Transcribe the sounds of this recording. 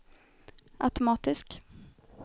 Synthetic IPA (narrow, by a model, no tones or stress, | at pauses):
ʔa̰t̪ʊmɑːt̪ɪsk